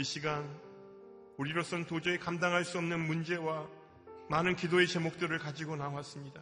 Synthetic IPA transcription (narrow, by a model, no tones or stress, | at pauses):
iɕʰiɡan | oɾiɾosʰʌntod͡ʑeekamdaŋɦaɭs͈uʌmnɯnmund͡ʑe̞wa | manɯnkidoe̞t͡ɕe̞mok̚t͈ɯɾɯɭkad͡ʑiɡonawas͈ɯmɲida